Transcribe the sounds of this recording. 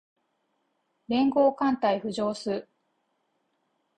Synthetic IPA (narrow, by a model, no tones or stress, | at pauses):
ɾẽ̞ŋɡo̞ːkãnt̪aiɸɯ̟ʑo̞ːsɨː